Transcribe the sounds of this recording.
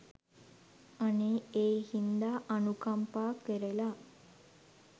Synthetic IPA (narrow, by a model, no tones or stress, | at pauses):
aneeːhind̪aʔanukampaːkʋeɾela